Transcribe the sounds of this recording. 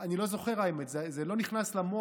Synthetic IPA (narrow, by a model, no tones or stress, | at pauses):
anilo̞zo̞χe̞ʁajmetzezelo̞niχnaslamo